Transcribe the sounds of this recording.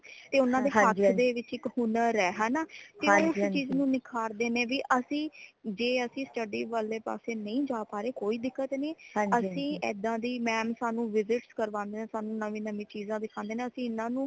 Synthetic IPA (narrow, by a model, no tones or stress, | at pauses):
t̪eːʊnãːd̪eːɦət̪ʰd̪eːʋɪt͡ʃɪkhʊnəɾɛːɦaːnaːt̪eʊst͡ʃiːznũːnɪkʰaːɾd̪eːnẽːʋiːʔəsĩːd͡ʒeːəsĩːsʈəɖiːʋaːleːpa̰ːseːnəĩːd͡ʒaːpaːɾeːkoːiːd̪ɪkːət̪nĩːəsĩːɛ̰ːd̪ãːd̪iːmɛːmsaːnũːʋɪzɪʈskəɾʋãːnd̪eːnẽːsaːnũːnəʋĩːnəmĩːt͡ʃiːzãːd̪ɪkʰãːnd̪eːnẽːəsĩːɪnãːnũː